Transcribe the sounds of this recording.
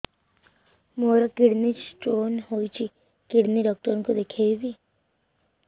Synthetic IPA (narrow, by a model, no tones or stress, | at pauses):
moːɾakɪɽnit͡ʃʈoːnɦoːit͡ʃʰi | kɪɽniɖɔːk̚t̪əɾnkod̪ekʰebi